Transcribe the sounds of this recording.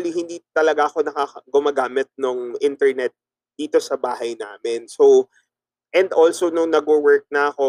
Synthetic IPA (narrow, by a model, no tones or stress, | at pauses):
lihɪnd̪iːt̪ɐlɐɡaʔɐko̞nɐkaːɐɡʊmaːɡaːmɪt̪̚nʊŋʔɪnt̪ɛɹnɛt̪̚ | d̪̥iːt̪o̞sɐbaːɦɐjnaːmɛnso | ʔɛnd̪ʔolsonʊŋnɐɡowɛɹk̚nɐɐko̞